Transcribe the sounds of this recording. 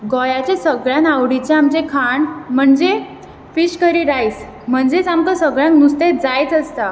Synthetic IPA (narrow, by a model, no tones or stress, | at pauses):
ɡɔjat͡ɕesəɡɭjãnawɽit͡ɕeamt͡ɕekʰaɳm̤əɳd͡ze | fiɕkəɾiɾajs | m̤əɳd͡zet͡samkasəɡɭjãŋknust̪ed͡zajt͡s̪əst̪a